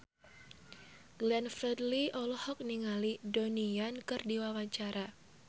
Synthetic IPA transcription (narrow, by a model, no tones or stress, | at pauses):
ɡ̥lɛnfɾɛdliʔɔlɔhɔk̚niŋalidonijankɨrdiwawaɲt͡ʃaɾʔa